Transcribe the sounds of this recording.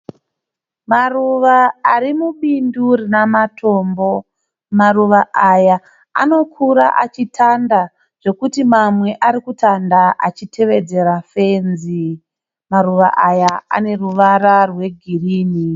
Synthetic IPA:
maruʋaaɾimuɓindurinamatʰo̞mbo̞ | maruʋaʔaja | a̰no̞kʰuɾa̰ʔat͡ʃitʰanda | ʐ̥e̞kutimamwe̞ʔaɾikutʰandaʔa̰t͡ʃitʰe̞ʋe̞d͡ze̞ɾafe̞nzi | maruʋa̰ʔajaa̰ne̞ruʋararwe̞ɡʱiriːni

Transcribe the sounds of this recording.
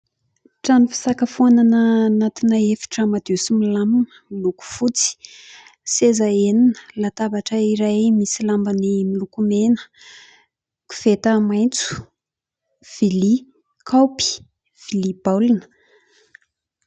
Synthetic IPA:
ʈ͡ʂanifi̥sakəfananənat̪inəefi̥ʈ͡ʂəmad̪usimilaminəmiluku̥fut͡si̥ | sezaeninə̥lat̪abaʈ͡ʂəiɾajmisilambanimilukumenə̥ | ku̥fet̪əmajnt͡su̥ | v̥ili | kʰawpi̥ | v̥ilibalinə̥

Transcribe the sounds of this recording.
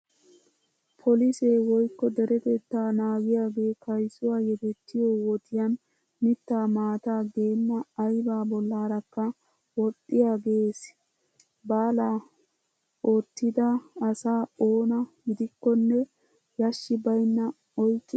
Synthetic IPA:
pʰɔliseːwɔjkːɔd̪ɛɾɛt̪ɛt̪ːaːnaːɡɪjaːɡe̞ːkʰɐjsʊwaːjɛd̪ɛt̪ːɪjoːwɔt̪ɪjɐn | mɪt̪ːaːmaːt̪aːɡe̞ːmːɐːjbaːbɔlːaːɾɐkːɐ | wɔt̪ʼːɪjaːɡe̞ːs | baːlaː | ot̪ːɪd̪ɐːsaːoːnɐɡɪd̪ɪkːɔnːɛ | jɐʃːɪbɐjnːɐ | ɔjkʼːɪ

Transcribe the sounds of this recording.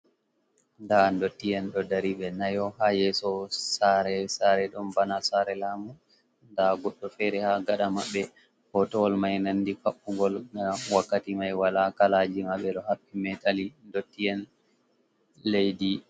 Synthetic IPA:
ndandotːijɛnɗɔdaɾiɓɛnajɔhajɛsɔsaɾɛsaɾɛɗɔmbanasaɾɛlaːmu | ndaɡɔɗːɔfɛɾɛhaɡaɗamaɓːɛ | hɔtɔwɔlmajnanːdikaɓːuɡɔlnawakːatimajwalakalad͡ʒimaɓɛɗɔhaɓːimɛtʼalindotːijɛn | lejdi

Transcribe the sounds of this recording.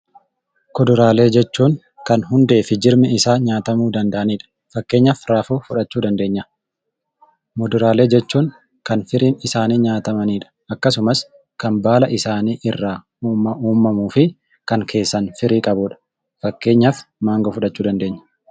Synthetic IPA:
kɔd̪ʊɾaːle̞ːd͡ʒɛt͡ʃːuːŋ | kɐnɦʊnd̪e̞ːfɪd͡ʒɪɾmɛɪsaːɲaːt̪ɐmuːd̪ɐnd̪ɐʔɐniːᶑɐ̥ | fɐkːe̞ːɲːɐfɾaːfoːfʊᶑɐt͡ʃːuːd̪ɐnd̪e̞ːɲːɐ | mɔd̪ʊɾaːle̞ːd͡ʒɛt͡ʃːuːŋ | kɐnfɪɾiːnɪsaːniːɲaːt̪ɐmɐniːᶑɐ̥ʔɐkːɐs̬ʊmɐs | kɐnbaːlɐʔɪsaːniːʔɪrːaː | uːmɐuːmːɐmuːfɪ | kɐŋkʰe̞ːsːɐnfɪɾiːkʼɐbʊᶑɐ̥ | fɐkːe̞ːɲːɐfmaːŋɡɔfʊᶑɐt͡ʃːuːd̪ɐnd̪e̞ːɲːɐ̥

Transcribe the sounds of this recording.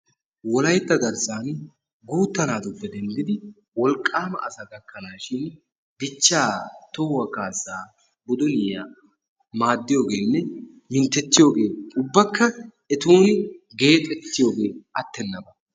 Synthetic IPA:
wɔlɐjt̪ːɐɡɐɾsaːn | ɡuːt̪ːɐnaːd̪ʊbːɛd̪ɛnd̪ɪd̪ɪ | wɔlkʼːaːmɐ̰ʔɐsɐɡɐkːɐnaːʃɪn | bɪt͡ʃːaːt̪ɔwɐkaːsːaː | bʊd̪ʊnɪja̰ː | maːd̪ːɪjo̞ːɡeːnːɛ | mɪnt̪ːɛt̪ːɪjo̞ːɡe̞ːkʼʊbːɐkːɐ | ɛt̪uːnɪɡe̞ːt̪ʼɛt̪ːɪjo̞ːɡe̞ːɐt̪ːɛnːɐbɐ

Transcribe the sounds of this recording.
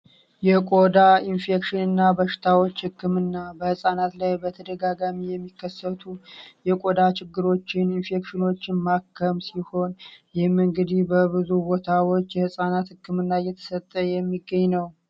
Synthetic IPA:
jɛkʼo̞d̪ainfekʃɪnɨnːabəʃɪ̥t̪ʰawo̞t͡ʃːhɨkʰːɨmɨnːabəhɨsʼanat̪lajbət̪ʰəd̪əɡaɡamijɛmːikʰːəsːət̪ʰujɛkʼo̞d̪at͡ʃɪɡːɨɾo̞t͡ʃːɪninfekʃɪno̞t͡ʃːɪnmakʰːəmsiho̞njɪhɨmɨŋɡɨd̪ihbəβɨzubot̪ʰawo̞t͡ʃːjɛhɨsʼanat̪hɨkːɨmɨnːajɛt̪ʰə̥sət̪ʼːəjɛmːiɡːəɲːnəw

